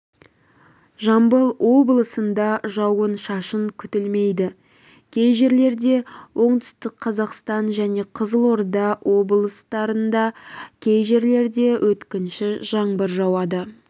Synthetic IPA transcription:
ʒɑmbəlˠwo̞blˠəsənd̪ɑʒɑwənʃɑʃəŋkʲʰʏt̪ɪlme̞jd̪ɪ | kʲʰe̞jʒe̞ɾle̞ɾd̪e̞wʔo̞ɴt̪ʏ̥st̪ɪkqʰːɑzɑqst̪ɑnʒæne̞qʰəzəlˠo̞ɾd̪ɑwʔo̞blˠəst̪ɑɾənd̪ɑkʲʰe̞jʒe̞ɾle̞ɾd̪e̞wʔɵt̪kʲɪnʃɪʒɑɴbəɾʒɑwɑd̪ə

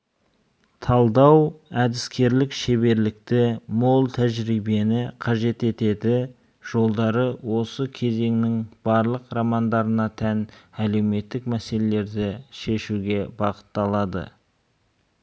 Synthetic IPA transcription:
t̪ʰɑlˠd̪ɑwæd̪ɪskʲe̞ɾlɪkʃe̞βe̞ɾlɪk̚t̪ɪmolˠt̪ʰæʒɾijbe̞nɪqʰɑʒe̞t̪e̞t̪e̞d̪ɪ | ʒ̥o̞lˠd̪ɑɾəwo̞səkʲʰe̞ze̞ŋnɪŋb̥ɑɾlˠəqɾɑmɑnd̪ɑɾənɑt̪ʰænæle̞wme̞t̪ːɪkmæse̞le̞le̞ɾd̪ɪʃe̞ʃuɡʲe̞bɑqə̥t̪ːɑlˠɑd̪ə̰

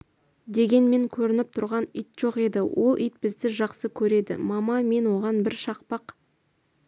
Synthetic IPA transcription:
d̪e̞ɡʲe̞nme̞ŋkʲʰɵɾɪnɪp̚t̪ʰʊɾʁɑnijt̪ʒ̥o̞qe̞d̪ɪwʔo̞̰lˠʔijt̪̚bɪzd̪ɪʒɑqsəkʲʰɵɾe̞d̪ɪ̰mɑmɑme̞nwo̞ʁɑnbɪɾʃɑq̚pɑq

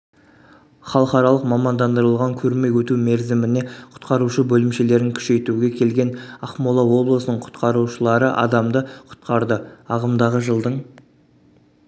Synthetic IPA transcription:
χɑlˠəqɑɾɑlˠəqmɑmɑnd̪ɑnd̪əɾəlˠʁɑŋkʲʰɵɾme̞jwɵt̪umeɾzɪmɪne̞qʰʊ̥t̪qɑɾuʃəbɵlɪmʃe̞le̞ɾɪŋkʲʰʏ̥ʃe̞jt̪uɡʲe̞kʲʰe̞lɡʲe̞nɑχmolˠɑwo̞blˠəsənəɴqʰʊ̥t̪qɑɾuʃəlˠɑɾəʔɑ̰d̪ɑmd̪əqʰʊ̥t̪qɑɾd̪əɑʁəmd̪ɑʁəʒəlˠd̪əɴ

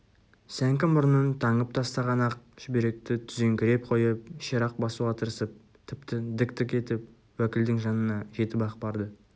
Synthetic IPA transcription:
sæŋkʲɪmʊɾənənt̪ʰɑɴəp̚t̪ʰɑst̪ɑʁɑnɑq̚ʒ̥ɪbeɾe̞k̚t̪ɪt̪ʰʏze̞ŋkʲɪɾe̞p̚qʰo̞jəp̚ʃeɾɑq̚bɑsuʁɑt̪ʰəɾsəp̚ | t̪ʰɪpt̪ɪd̪ɪkt̪ɪkʲe̞t̪ɪp̚ | wækʲɪld̪ɪŋʒɑnənɑʒe̞t̪ɪpɑqbɑɾd̪ə

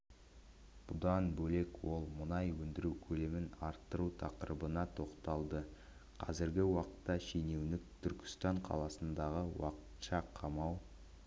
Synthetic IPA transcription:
b̥ʊd̪ɑnbɵle̞kwo̞lˠmʊnɑjwɵnd̪ɪɾukʲʰɵle̞mɪnɑɾt̪ːəɾut̪ʰɑqəɾʔəbənɑt̪ʰo̞qt̪ɑlˠd̪ə | qʰɑ̰zɪɾɡʲɪwɑqə̥t̪ːɑʃene̞wnɪk̚t̪ʰʏɾkʲɪ̥st̪ɑɴqʰɑ̰lˠɑsənd̪ɑʁəwɑ̰qə̥t̪ʃɑqʰɑmɑw

